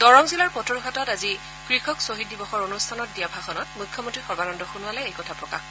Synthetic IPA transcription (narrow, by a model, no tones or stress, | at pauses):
d̥ɔɹɔŋzilaɹpɔtɔɹkʰatɔtazi | kɹixɔksoɦit̚dibɔxɔɹonustʰanɔt̚dijabʱaxʰɔnɔtmujkʰːɔmɔntɹixɔbanɔndɔxunuwalɛejkɔtʰapɹɔka̰